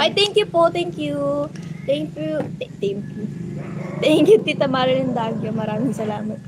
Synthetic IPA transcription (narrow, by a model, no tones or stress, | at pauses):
ʔajt̪ɛŋkjupot̪ɛŋkjut̪ɛŋkjut̪t̪ɛŋkjut̪ɛŋkjut̪it̪ɐmaːɾɐnɐnd̪aːɡjomɐɾaːmɪŋsɐlaːmɐt̪̚